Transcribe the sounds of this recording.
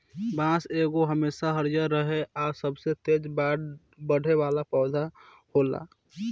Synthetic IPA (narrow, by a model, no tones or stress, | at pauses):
bãːseːɡoɦəmeːʃaɦəɾjəɾəɦeɔːɾsəbset̪eːd͡ʒbaɽ | bəɽ̤ʱeʋaːlapɔːd̪ʱa | hoːla̰ː